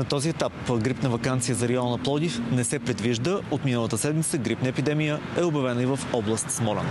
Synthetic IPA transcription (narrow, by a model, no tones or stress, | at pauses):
nɐt̪ɔziɛt̪apɡɾipnəvɐkant̪sijəzɐɾɛɔnɐplˠɔd̪ifnɛsɛpɾɛd̪viʒd̪əot̪minəlˠət̪əsɛd̪mit̪səɡɾipnəɛpid̪ɛmijə | ɛobjɐvɛnəivəfɔblˠɐst̪smɔlʲɛ̰n